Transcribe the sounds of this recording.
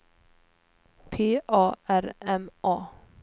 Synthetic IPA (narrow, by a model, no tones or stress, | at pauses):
pʰeːʔɑːæɾɛmʔɑː